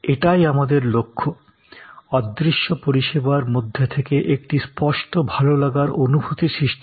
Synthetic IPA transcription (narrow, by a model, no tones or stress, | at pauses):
eʈajamad̪eɾlokʰːo | ɔd̪ːɾiʃːopoɾiʃebaɾmod̪ʱːet̪ʰekeʔek̚ʈispɔʃʈobʱalolaɡaɾonubʱut̪iʃɾiʃʈi